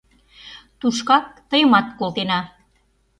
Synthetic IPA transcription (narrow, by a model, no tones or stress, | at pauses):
t̪uʃkɑk̚t̪əjə̆mɑt̪̚kolt̪enɑ